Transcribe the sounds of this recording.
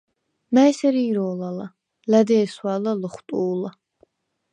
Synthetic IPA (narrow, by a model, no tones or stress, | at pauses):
maɛsɛɾiːɾɔːlala | lad̪ɛːswaːlalɔχt̪ʼuːla